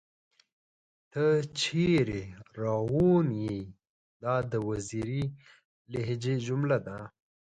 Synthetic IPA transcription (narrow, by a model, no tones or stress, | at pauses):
t̪ət͡ʃʰeɾeɾɑwunji | d̪ɑd̪əwaziɾi | leɦd͡ʒed͡ʒʊmlad̪a